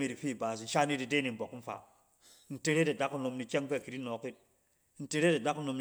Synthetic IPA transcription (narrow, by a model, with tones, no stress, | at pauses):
i˨ɾi˨fi˦˨baː˨s̬n̩˦ʃa˦ni˦di˨de˦ni˨m̩˨bo˨km̩˦fa̰˨ | n̩˦te˦ɾe˦de˨da˦ku˦no˨mni˨kʲe˦ŋ˦pe˦˨ki˨ɾi˦no˨ki˦t̚ | n̩˦te˦ɾe˦de˨da˦ku˦no˨mn